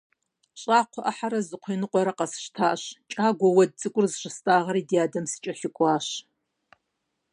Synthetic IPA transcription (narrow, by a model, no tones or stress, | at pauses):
ɕʼaːqʷʰɔʔɐħaɾɐzɨqʷʰeːnɨqʷʼɔɾɐqɐsɨ̥ʃtʰaːʔɕt͡ʃʼaːɡʷɔwɐd̚t͡sʼɨkʷʼʊrzɨɕɪstʼaːʁɐɾiːdijaːdɐmsɨ̥t͡ʃʼɐɬɪkʷʼɑːɕ